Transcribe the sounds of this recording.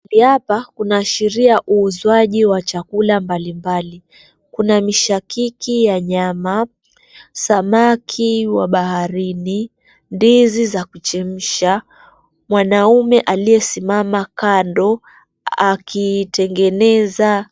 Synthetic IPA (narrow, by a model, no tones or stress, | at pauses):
biapakunaːʃiɾiaʔuːzwaʄiwat͡ʃakulambalimbali | kunamiʃakikijaɲama | samakʰiwaɓahaɾini | ndizizakut͡ʃɛm̩ʃa | mwanaumɛʔalijɛsimamakandɔ | akʰitɛŋɡɛnɛza